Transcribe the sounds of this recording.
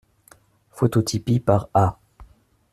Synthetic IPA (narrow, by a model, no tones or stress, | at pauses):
fot̪ot̪ʰipipaʁa